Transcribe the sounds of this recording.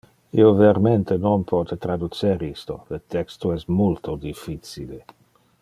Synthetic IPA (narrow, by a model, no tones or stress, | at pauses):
ḭoveɾment̪ʰenonpʰɔt̪et̪ɾad̪ut͡seɾist̪o̰lət̪ɛkst̪oɛsmult̪ʰod̪ifːit͡sile